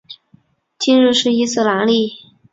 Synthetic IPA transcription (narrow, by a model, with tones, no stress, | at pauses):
t͡ɕi˥˧nɻu˥˧ʂɻ̩˥˧i˥˩s̩˥˩la˧˥nli˥˩